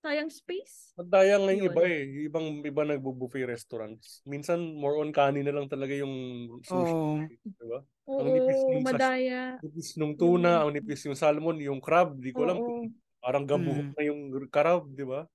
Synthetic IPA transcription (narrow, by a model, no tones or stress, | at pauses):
saːjɐŋspis | mɐd̪aːjɐŋɐjʊŋɪbaʔɛjʊʔɪbaŋʔɪbanɐɡ̚bubufɛjɾɛst̪oɾɐ̰nt̪̚sminsɐnmoɹʔonkaːnɪnɐlɐŋt̪ɐlɐɡajʊŋsusɪt̪d̪ɪba | ʔoɐŋnɪpisʊŋmɐd̪aːjaɪpisnʊŋt̪uːnɐʔɐŋnɪpisjʊŋsalmo̞njʊŋkɾab̚d̪iːkolaŋ | paːɾɐŋɡɐbʊhʊk̚ŋɐjʊŋkɐɾab̚d̪ɪba